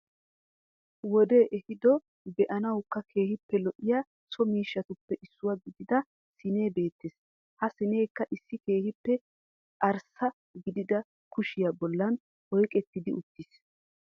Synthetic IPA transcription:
wɔd̪e̞ːʔɛhɪd̪ɔ | bɛʔɐnɐwkːɐkʰe̞ːhɪpːɛlɔʔːɪja | sɔmiːʃːɐt̪ʊpːɛʔɪsːʊwɐɡɪd̪ɪd̪ɐ | sɪne̞ːbe̞ːt̪ːɪs | hɐsɪne̞ːkːɐʔɪsːɪke̞ːhɪpːɛ | ɐɾsɐ | ɡɪd̪ɪd̪ɐ | kʊʃɪjɐbɔlːɐn | hɔjkʼɛt̪ːɪd̪ɪʊt̪ːɪs

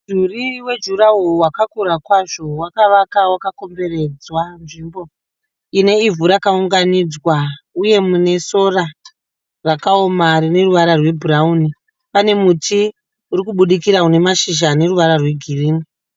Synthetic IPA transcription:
d͡ʒuriwe̞d͡ʒuɾaɦowakakuɾakwaʐo̞wakaʋakawakako̞mbe̞re̞d͡zwanʐimbo̞ | ine̞ivuɾakauŋɡanid͡zwauje̞mune̞so̞ra | rakaomarine̞ruʋaɾarwe̞bʱurauni | pane̞mutʰi | uɾikuɓuɗikiɾaune̞maʃiʒane̞ruʋaɾarwe̞ɡʱiriːni

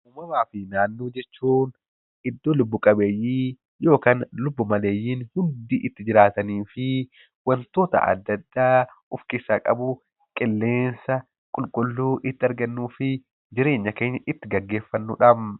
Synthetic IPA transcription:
ʔʊmɐmaːfɪnaːnːoːd͡ʒɛt͡ʃːuːn | ɪd̪ːoːlʊbːʊkʼɐbeːjiː | jo̞ːkaːnlʊbːʊmɐleːjːiːnhʊnd̪iːʔɪt̪ːɪd͡ʒɪɾaːt̪ɐniːfɪ | wɐnt̪o̞ːt̪ɐ̰ʔɐ̰d̪ːɐd̪ːaː | ʊfkɪsakʼɐ̰bʊ | kʼɪlːe̞ːnsɐ | kʼʊlkʼʊlːuːʔɪt̪ːɪɐɾɡɐnːuːfɪ | d͡ʒɪɾe̞ːɲːɐke̞ːɲːɐʔɪt̪ːɪɡɐɡːe̞ːfːɐnːṵːᶑɐm

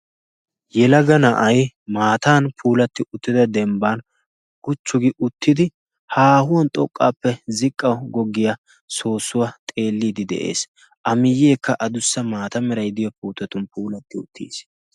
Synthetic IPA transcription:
jɛlɐɡɐnɐʔɐjmaːt̪aːnpʰuːlɐt̪ːɪʔʊt̪ːɪd̪ɐd̪ɛmbaːn | ɡʊt͡ʃːʊɡɪʔʊt̪ːɪd̪ɪ | haːhʊwɔnt̪ʼɔkʼːaːpːɛzɪkʼːɐwɡɔɡːɪja | so̞ːsːʊwɐt̪ʼe̞ːlːiːd̪ɪd̪ɛ̰ʔe̞̰ːs | ʔɐmɪjːe̞ːkːɐʔɐd̪ʊsːɐmaːt̪ɐmɛɾɐjd̪ɪjɔpuːt̪ɐt̪ʊnpuːlɐt̪ːɪʊt̪ʰːḭːs

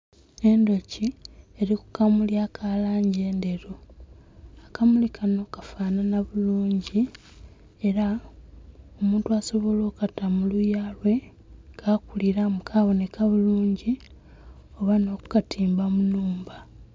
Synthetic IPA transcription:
e̞ndo̞cieɾiku̥kamuljakʰalaːɲɟe̞ːnde̞ɾo | akamulikʰano̞ːkafaːnanaβuluːɲɟi | e̞ɾa | omuːntuaso̞βo̞lo̞ːkatamulujaːlwe̞ | kakuliɾamukʰaβo̞ne̞kaβuluːɲɟi | o̞βano̞ːku̥katʰiːmbamunuːmba

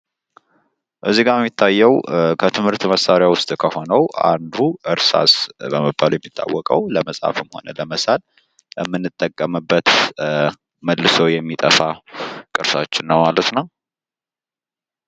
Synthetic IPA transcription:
ʔɨzːiɡaɛmːit̪ʰːajːɛwkʰət̪ʰɨmhɨɾt̪ʰɨməsaɾɪjawʊst̪ʼkʰəho̞nəwʔa̰nd̪uʔɨɾsa̰sbəməbːaljɛmːit̪ʼʰːa̰wːɔkʼəwləməsʼa̰fɨmho̞̰nələməsal | ɛmːɨnːɨt̪ʼːəkʼːəmɨbːət̪ | məlːɨsəwjɛmːit̪ʼə̰fakʼɨɾsa̰t͡ʃːɪnːəwmalət̪nəw

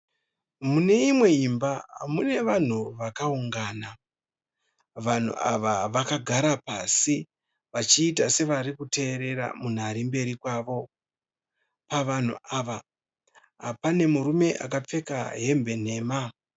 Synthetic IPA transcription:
mune̞imwe̞imbaɦa̰mune̞ʋan̤uʋakauŋɡaːna | ʋan̤ṵʔa̰ʋaʋakaɡʱaɾapasi | ʋat͡ʃiːtase̞ʋarikute̞ːɾe̞ɾa̰mun̤aɾimbe̞ɾikwaːʋo̞ | paʋan̤ṵʔaʋa | ɦpane̞muɾume̞ʔa̰kap͡fe̞ka̰ɦe̞mbe̞n̤e̞ːma

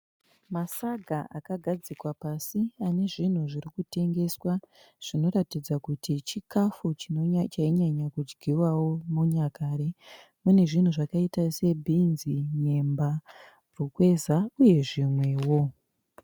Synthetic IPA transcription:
masaɡʱaʔakaɡʱad͡zikwapasiane̞ʐin̤uʐiɾikute̞ŋɡe̞swa | ʐ̥ino̞ɾatid͡zakutit͡ʃikafut͡ʃit͡ʃaiɲaɲakud͡ʒɡʱiwawo̞muɲakaːɾe | mune̞ʐin̤uʐakaitase̞bʱinziɲe̞mba | rukwe̞zauje̞ʐimwe̞wo̞

